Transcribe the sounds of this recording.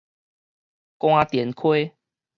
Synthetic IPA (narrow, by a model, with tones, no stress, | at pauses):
kw̃ã˦˧t̪jɛ˨˩˦nkʰwe˦